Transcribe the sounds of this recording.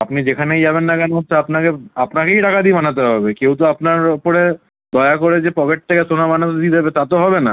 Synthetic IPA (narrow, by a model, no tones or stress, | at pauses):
apnid͡ʑekʰanejd͡ʑaβenːakanɦot̪ːɕʰeapnakeapnakejɖakʰad̪ibanat̪̬eɦɔbekewt̪oapnaɾopoɾe | d̪ɔeakoɾed͡ʑepɔkeʈ̚t̪ʰekesonabanat̪od̪id̪ebet̪at̪oɦɔbena